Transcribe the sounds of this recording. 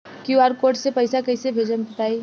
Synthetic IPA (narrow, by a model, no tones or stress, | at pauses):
kjuaɾkoːɾʈsepɐɪsakɐɪsebʱeːd͡ʒənbɐt̪aːi